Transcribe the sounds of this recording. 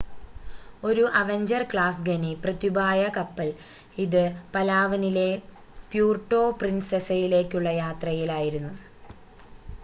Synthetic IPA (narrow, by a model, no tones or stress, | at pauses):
o̞ɾuʔɐʋeɲd͡ʑɐrkɭaːsɡɐniprɐt̪jubaːjɐkɐpːɐl | iðɨpɐlaːʋɐnile̞ | pjuːrʈːo̞ːprinsesɐjile̞ːkʲːuɭːɐjaːt̪rɐjilaːjiɾunːu